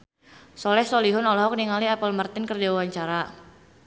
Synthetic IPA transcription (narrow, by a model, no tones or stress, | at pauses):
sɔlɛhsɔliɦʊnɔlɔɦɔk̚niŋaliapəlmart̪ɪnkərdiwawaɲt͡ʃaɾa